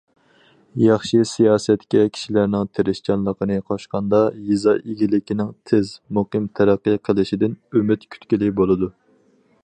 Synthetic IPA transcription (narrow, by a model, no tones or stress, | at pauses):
jɑχʃisijɑːsɛt̪kʲɛkʲʰi̥ʃilæɾnɪŋt̪ʰeɾɪʃt͡ʃɑnlˠəqʰənɨqʰɑʃqɑnd̪ɑjizɑʔiɡʲilɪkʲinɪŋt̪ʰɪzmuqɨmt̪ʰæɾæqːɨqʰəlˠɨʃid̪ɪnymɪt̪kʲʰy̥t̪kʲilɪbolˠɨd̪u